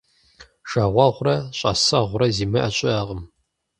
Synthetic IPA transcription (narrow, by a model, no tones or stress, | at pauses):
ʃaʁʷɑʁʷʊrɐɕʼɐ̰sɐʁʷʊrɐziːmɨʔɐɕʼɪaːʁəm